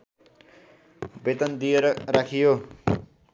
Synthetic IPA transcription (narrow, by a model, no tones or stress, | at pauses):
bet̪ʌnd̪ijeɾʌrakʰijo